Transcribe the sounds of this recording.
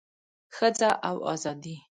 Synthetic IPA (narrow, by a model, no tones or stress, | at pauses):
xəd͡zaʔawɑ̰zɑd̪i